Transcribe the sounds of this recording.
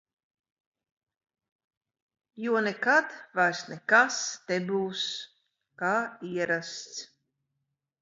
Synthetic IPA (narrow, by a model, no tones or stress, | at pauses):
juɔnɛkat̪vajsnɛkast̪ɛbuːs | kaːiɛɾast̪s